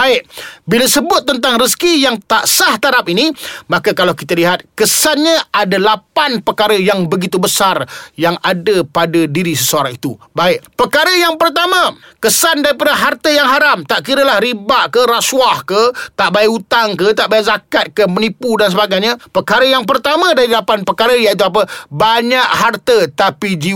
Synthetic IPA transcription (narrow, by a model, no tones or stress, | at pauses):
baɪʔ̚bilasəbʊt̪̚ːənt̪aŋrəskijaŋt̪aʔsaht̪aɾapinimakakalawkit̪aliɦat̪̚kəsanɲãʔadalapanpərkaɾəjaŋbəɡit̪ubəsarjaŋadəpadadiɾisəsəaɾaŋit̪ubaɪʔpərkaɾəjaŋpərt̪amãkəsandaɾipadaɦart̪əjaŋɦaɾamt̪aʔkiɾəlahɾibaʔkəɾaswahkət̪aʔbajut̪aŋkət̪aʔbajʔzakat̪̚kəmənipudans̬əbaɡajɲapəkaɾəjaŋp̬ərt̪amãdaɾilapanpəkaɾəjait̪̬uap̬əbaɲaʔɦart̪ət̪apid͡ʒi